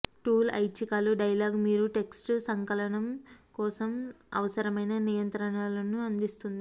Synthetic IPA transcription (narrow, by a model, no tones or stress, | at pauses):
ʈuːlɐ̰jt͡ʃikaːluɖɐjlaːɡmiːɾuʈe̞ksʈsɐŋkɐlɐɳɐmkɔːsɐm | ɐ̰ʋɐsɐɾɐmɐjnɐnijɐnt̪ɾɐɳaːlɐnuɐnd̪ist̪und̪i